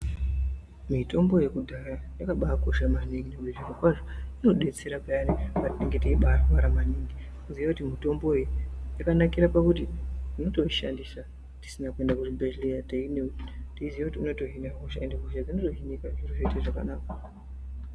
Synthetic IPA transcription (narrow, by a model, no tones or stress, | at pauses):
mito̞mbo̞je̞kudʱaɾanakaɓako̞ʃamaniŋɡinekuliʐirokwaʐoino̞ɗe̞t͡se̞ɾapajanipatiɗeŋɡeteiɓaraɾamaniŋɡi | kuziʋakutimito̞mbo̞ijakanakiɾapakutiuno̞to̞iʃa̰ndisa | ti̥sinakuwe̞ndakuʐibeʃlijateinetiiziʋakutiunoto̞ɦinakoʃaendekoʃad͡zinoto̞ɦinikaʐiroʐeteʐaka̰naːka